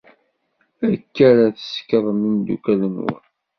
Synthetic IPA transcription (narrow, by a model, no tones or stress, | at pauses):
ækːæɾaθə̥skəðˤmind̪ṵkælənwə̰n